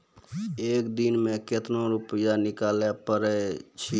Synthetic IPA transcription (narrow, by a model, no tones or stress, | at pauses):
ekd̪inmeket̪noɾupəjanikalɛpəɾɛt͡ʃʰi